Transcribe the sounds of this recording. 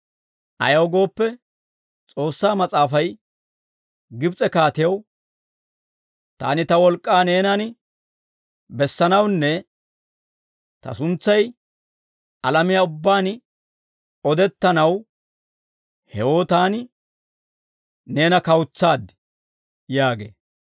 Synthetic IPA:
ʔɐ̰jɐwɡo̞ːpːɛ | t͡sʼo̞ːsːaːmɐt͡sʼaːfɐj | ɡɪbt͡sʼɛkaːt̪ɪjɐw | t̪a̰ːnɪt̪ɐwɔlkʼːaːne̞ːnɐn | bɛsːɐnɐwnːɛ | t̪ɐ̰sʊnt͡sːɐj | ɐlɐmɪjaːʊbːaːn | ɔd̪ɛt̪ːɐnɐw | hɛwo̞ːt̪aːnɪ | ne̞ːnɐkɐwʊt͡sːaːd̪ | jaːɡḛː

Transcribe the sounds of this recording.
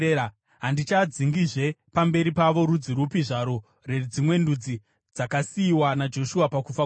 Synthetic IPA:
ɦandit͡ʃad͡ziŋɡiʐe̞pambe̞ɾipaʋo̞ɾud͡ziɾupiʐaɾo̞ | re̞d͡zimwe̞ndud͡zi | d͡zakasiːwanad͡ʒo̞ʃuapakufa

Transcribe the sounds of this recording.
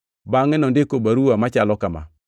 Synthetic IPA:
baŋɛnɔndɪkobaɾuwamat͡ʃalɔkama̰

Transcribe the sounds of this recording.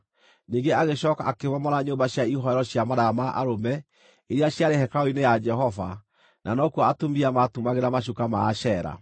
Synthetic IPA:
niːŋɡeaɣeɕɔːkaːkemɔmɔɾaɲoːmbaɕjaiɦɔɛɾɔɕjamaðamaʔa̰ɾomɛ | eɾiaɕjaɾehɛkaoinejad͡ʒɛɦɔva̰ | nʔanɔkuaatomiamatumaɣeɾamaʃ̬ukama̰ːɕɛɾa̰

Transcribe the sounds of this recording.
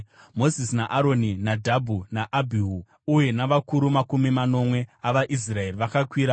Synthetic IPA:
mo̞zisnaʔaɾo̞ninadʱabʱunaʔabʱiɦu | uje̞naʋakuɾumakumimano̞mwe̞aʋaʔis̬rae̞riʋakakwiːɾa

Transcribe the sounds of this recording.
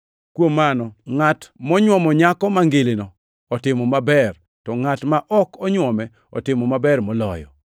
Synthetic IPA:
kwomanɔŋatmɔɲwɔmɔɲakɔmaŋɡelinɔː | tɪmɔmabɛr | tɔŋatmaʔɔkɔɲwɔmɛ | ɔ̰tɪmɔmabɛrmɔlɔjɔ̰

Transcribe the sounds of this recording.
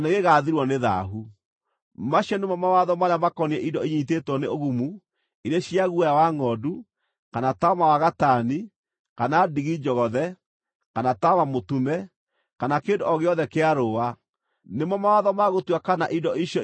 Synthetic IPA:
neɣeɣaðiɾwɔneða̰ɦu | maɕjɔnemɔmawaðɔmaɾeamakɔniɛʔidɔiɲitetwɔneoɣumu | iɾeɕiaɣuajawaŋɔdu | kanatamawaɣatani | kanadiɣid͡ʒɔɣɔðɛ | kanatamamotumɛ | kanakeːndoɔɣeɔðɛkeaɾowa | nemɔmawaðɔmaɣotwakanaʔindɔʔiɕjɔ

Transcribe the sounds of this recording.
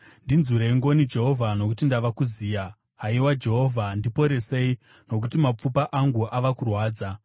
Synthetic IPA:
ndinzuɾeiŋɡo̞nid͡ʒe̞ɦo̞vʱano̞k̬utindaʋakuziːja | ɦaiwad͡ʒe̞ɦo̞vʱandipo̞ɾe̞se̞i | no̞k̬utimap͡fupaʔaŋɡuʔaʋakurwaːd͡za

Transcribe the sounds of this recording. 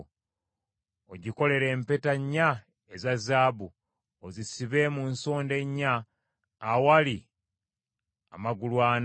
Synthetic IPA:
oɟiko̞le̞ɾe̞ːmpe̞taɲːa | ezazaːbu | ozisiβe̞munso̞ːnde̞ɲːaː | wali | a̰maɡulwaːn

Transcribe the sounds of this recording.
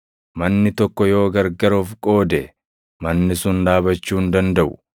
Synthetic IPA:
mɐnːɪt̪ɔkːɔjo̞ːɡɐɾɡɐɾoːfkʼo̞ːd̪ɛ | mɐnːɪsʊnd̪aːbɐt͡ʃːuːnd̪ɐnd̪ɐʔʊ̥

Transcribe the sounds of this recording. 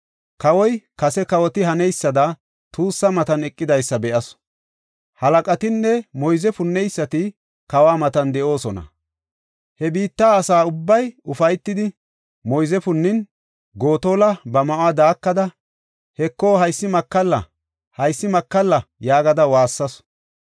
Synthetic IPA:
kɐwɔjkɐsɛkɐwɔt̪ɪɦɐnɛjsːɐd̪ɐ | t̪uːsːɐmɐt̪ɐnɛkʼːɪd̪ɐjsːɐbɛʔɐs | hɐlɐkʼɐt̪ɪnːɛmɔjzɛfʊnːɛjsːɐt̪ɪ | kɐwaːmɐt̪ɐnd̪ɛʔo̞ːsɔnɐ̰ | hɛbiːt̪ːaːɐsaːʊbːɐjʊfɐjt̪ːɪd̪ɪ | mɔjzɛfʊnːɪn | ɡo̞ːt̪o̞ːlɐbɐmɐʔʊad̪aːkːɐd̪ɐ | hɛkːo̞ːhɐjsːɪmɐkːɐlːɐ̰ | hɐjsːɪmɐkːɐlːɐjaːɡɐd̪ɐwaːsːɐs

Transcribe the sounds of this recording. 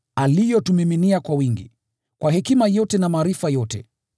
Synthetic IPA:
alijɔtumiminiakwawiŋɡḭ | kwaɦɛkimajɔtɛnamaːɾifajɔtɛ̰

